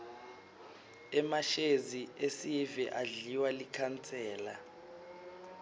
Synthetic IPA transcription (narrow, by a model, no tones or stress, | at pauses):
ɛmaʃeziesivɛʔaɮiwalikʰant͡sʰʼɛːla